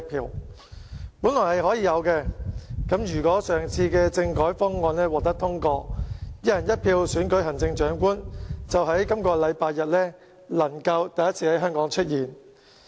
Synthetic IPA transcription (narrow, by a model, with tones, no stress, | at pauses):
t̚pʰiː˧w | puː˨˥nlɔː˨˩hɐ˨jhɔː˨˥jiː˨˧jɐ˨˧wkɛː˧kɐ˨˥mjyː˨˩kɔː˨˥sœː˨˩ŋt͡sʰiː˧kɛː˧t͡sɪ˧ŋkɔː˨˥jfɔː˥ŋŋɔː˧nlɛː˥wɔː˨k̚t̪ɐ˥k̚t̪ʰʊ˥ŋkɔː˧jɐ˥jɐ˨˩njɐ˥t̚pʰiː˧wsyː˨˥nkɵ˨˥ɥɦɐ˨˩nt͡sɪ˧ŋt͡ʃœː˨˥ŋkuː˥nt͡sɐ˨wɦɐ˨˥jkɐ˥mkɔː˧lɐ˨˧jpaː˧jjɐ˨t̚lɛː˥ | lɐ˨˩ŋkɐ˧wt̪ɐ˨jɐ˥t̚t͡sʰiː˧hɐ˨˥jɦœː˥ŋkɔː˨˥ŋt͡ʃʰɵ˥t̚jiː˨˩n